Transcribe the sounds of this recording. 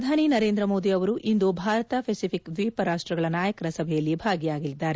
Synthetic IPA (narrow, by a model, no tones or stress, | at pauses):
ɾɐd̪ʱaːninɐɾe̞ːnd̪ɾɐmoːd̪iɐʋɐɾuʔind̪ubʱaːɾɐt̪ɐpʰesipʰikd̪ʋiːpɐɾaːʂʈɾɐɡɐɭɐnaːjɐkɐɾɐsɐbʱɛjɐlːibʱaːɡijaːɡilid̪ːaːɾe